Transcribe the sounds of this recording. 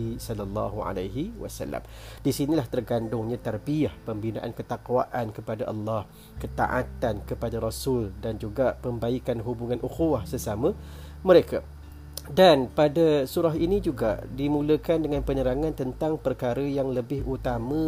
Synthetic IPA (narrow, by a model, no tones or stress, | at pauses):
isɔlːɑlːɑ̰ɦua̰laɦiwa̰sa̰lːa̰mdisinilaht̪ərɡandʊŋɲãt̪arbiahpəmbina̰ʔankət̪aquwaʔankəpadaʔɑlːɑh | kət̪a̰ʔa̰t̪ankəpadaɾasʊldand͡ʒuɡapəmbaikanɦubuŋanʔuxuwahsəsamə̃ | məɾeka | danpadasuɾaɦinid͡ʒuɡa̰ʔdimũləkandəŋãnpəɲəɾaŋãnt̪ənt̪aŋpərkaɾəjaŋləbɪɦʔut̪amə̃